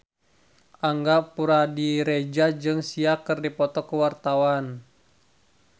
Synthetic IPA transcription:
ʔaŋɡapuɾadiɾed͡ʒad͡ʒɨŋsiakɨrdipɔt̪ɔkəwart̪awan

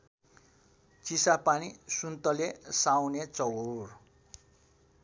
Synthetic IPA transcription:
t͡sisapanisunt̪ʌlesawnet͡sʌwur

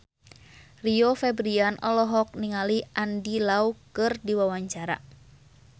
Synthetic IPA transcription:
riofɛbɾianʔɔlɔɦɔk̚niŋaliandilaukɨrdiwawaɲt͡ʃaɾa̰

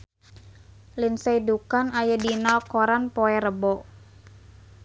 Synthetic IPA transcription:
linsaidukanajadinalkɔɾanpɔɛɾəbɔ

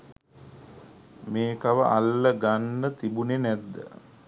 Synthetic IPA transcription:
meːkaʋəʔa̰lːəɡanːət̪ibunenæd̪ːə̰

